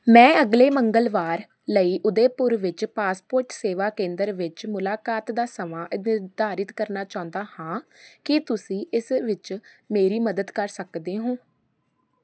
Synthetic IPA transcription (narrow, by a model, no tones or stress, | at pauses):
mɛ̃ːəɡleːməŋɡəlʋaːɾ | ləiːʔʊd̪eːpʊɾʋɪt͡ʃpaːspoːɾʈseːʋaːkẽːnd̪əɾʋɪt͡ʃmʊlaːkaːt̪d̪aːsəmaːnɪɾd̪aːɾɪt̪kəɾnaːt͡ʃaːʊ̃nd̪aːhãːkɪt̪ʊsĩːʔɪsʋɪt͡ʃ | meːɾiːməd̪əd̪kəɾsəkd̪eːɦõː